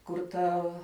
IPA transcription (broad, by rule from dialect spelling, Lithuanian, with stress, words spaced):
kʊr ˈtɐw